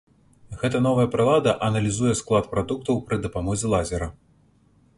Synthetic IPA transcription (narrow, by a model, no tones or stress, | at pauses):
ɣɛt̪ɐnɔvɐjɐpɾɨlˠad̪ɐʔɐnɐlʲizujɛsklˠat̪pɾad̪uk̚t̪ɐwpɾɨd̪ɐpamɔzʲɛlˠazʲɛɾɐ